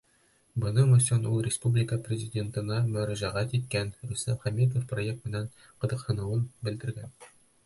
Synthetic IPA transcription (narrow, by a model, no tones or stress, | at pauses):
bɤ̆nɤmosonulˠrʲɪspublʲɪkəprʲɪzʲɪdʲe̞nt̪ɤ̆nɑmɵ̆ɾæʑæʁæt̪it̪̚kænɾʉst̪æmχæmʲed̪ofproje̞k̚t̪mɘ̆næɴ | qɤ̆d̪ɤ̆qhɤ̆nɤ̆wɤnbɘ̆ld̪ɘ̆ɾɡæn